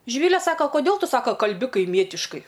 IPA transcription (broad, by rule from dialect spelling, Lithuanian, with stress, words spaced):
ʒʲɪˈʋʲiːlʲɛ ˈsɑːkɐ koːˈdʲeːlˠ ˈtʊ ˈsɑːkɐ kɐlʲˈbʲɪ kɐɪˈmʲiɛtʲɪʃkɐɪ